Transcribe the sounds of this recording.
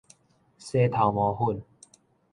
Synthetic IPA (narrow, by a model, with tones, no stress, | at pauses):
seː˥˦t̪ʰa˨˦wmɔ˨˦hu˥˨n